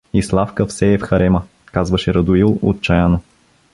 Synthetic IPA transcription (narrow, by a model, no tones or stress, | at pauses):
islˠafkəfsɛːfxɐɾɛmə | kazvɐʃɛɾɐd̪ʊilˠo̰t̪̚t͡ʃajano